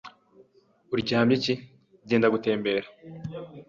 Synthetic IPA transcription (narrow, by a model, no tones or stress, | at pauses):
uɾɟihaːmbɟici | ɟeːndaɡute̞ːmbe̞ːɾḁ